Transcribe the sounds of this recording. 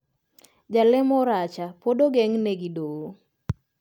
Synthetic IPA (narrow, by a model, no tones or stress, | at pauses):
d͡ʒalɪmɔɾat͡ʃapodoɡɛŋneɡidowo